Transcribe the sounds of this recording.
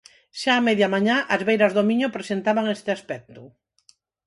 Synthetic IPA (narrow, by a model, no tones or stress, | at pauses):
ʃaːmɛðjamaɲãʔɐzβejɾɐzðomiɲopɾesent̪aβaŋest̪ɪaspɛk̚t̪ʊ